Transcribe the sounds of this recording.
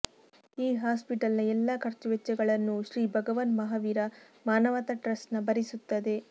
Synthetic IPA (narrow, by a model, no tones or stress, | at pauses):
iːɦaːspiʈɐlnɐɛlːɐkʰɐɾt͡ʃuʋɛt͡ʃːɐɡɐɭɐnːuʃɾiːbʱɐɡɐʋɐnmɐɦaʋiːɾɐ | maːnɐʋɐt̪ɐʈɾɐsnɐbɐɾisut̪ːɐd̪e̞